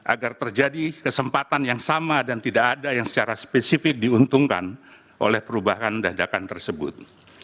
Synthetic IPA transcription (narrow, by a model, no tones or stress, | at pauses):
ʔa̰ɡart̪ərd͡ʒadikəsəmpat̪anjaŋsamadant̪idakadajaŋsə̥t͡ʃaɾaspesifɪk̚diunt̪uŋka̰n | ʔo̰lɛhpəɾubaɦandahdakant̪ərsəbʊ̰t̪̚